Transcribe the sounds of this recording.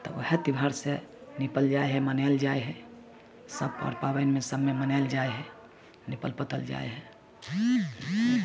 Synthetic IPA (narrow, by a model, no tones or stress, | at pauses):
t̪ɔ̰oɦet̪ibʱəɾsenipəld͡ʒaeɦɛmənɛld͡ʒaeɦɛ | səbɔ̰ɾpawənmesəbmemənald͡ʒaeɦɛ | nipəlpət̪əld͡ʒa̰eɦɛ